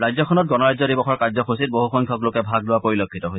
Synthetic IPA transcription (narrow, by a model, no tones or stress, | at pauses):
ɹajzɔkʰɔnɔt̚ɡɔnɔɹajzɔdibɔxɔɹkazɔkʰosit̚boɦuxɔjŋkʰɔklokɛbʱaɡlʊwapoɹilokʰːitɔɦoj